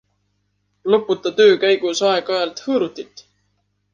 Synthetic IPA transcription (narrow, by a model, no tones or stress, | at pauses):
lopːˑut̪ːˑɑt̪ø̞ːkæjɡusɑeɡ̥ɑelt̪hɤːɾut̪ːit̪ːˑ